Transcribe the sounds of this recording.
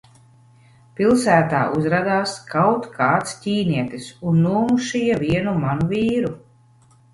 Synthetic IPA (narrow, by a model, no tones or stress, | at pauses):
pilˠsæːt̪a̰ːʔuzɾad̪aːskʰawt̪kʰaːt̪scʲiːniɛt̪isunːuːmuʃijaviɛnumanuviːɾu